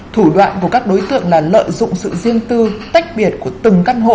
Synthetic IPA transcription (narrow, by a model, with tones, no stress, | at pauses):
t̪ʰu˧˩ɗwa̰ː˧˨nku˧˩əkaː˦˥k̚ɗo˨˦jt̪ɨ̰˧˨əŋlaː˨˩lə̰ː˧˨jzʊ̰˧˨ŋ͡msɨ̰˧˨zi˧ənt̪ɨ˧t̪a˦˥jk̟̚ɓi˧˩ət̚ku˧˩ət̪ɨ˨˩ŋka˧nɦo̰˧˨